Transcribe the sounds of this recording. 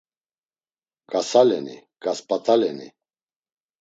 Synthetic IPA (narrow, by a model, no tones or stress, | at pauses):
ɡ̥asalɛnḭ | ɡ̥aspʼat̪ʰalɛni